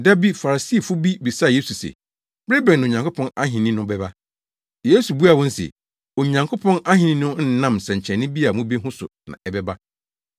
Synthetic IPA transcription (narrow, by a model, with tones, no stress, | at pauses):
da˦bi˦fa˨ɾa˨si˦˨fʊ˦bi˦bi˨sa˦˨jeː˦su˨sḛ˨ | b̥ɾe˦bɛ̃˨ñː˨ɲã˨ŋkʰʊ˦pʰɔ̃˦na˦ɦɪ̃˨nĩ˦nʊ̃˦bɛ˦ba˦ | jeː˦su˨bu˦a˨wɔ̃˦n̩˦sɛ̰˨ | o˨ɲã˨ŋkʰʊ˦pʰɔ̃˦na˦ɦɪ̃˨nĩ˦nʊ̃˦n̩˦nã˦msɛ̃˨ɲ˨t͡ɕʰɛ̃˨nɪ̃˦bi˦a˨mũ˦be˦ɦʊ̃˦sʊ̰˨nã̰˨ɛ˨bɛ˦ba˦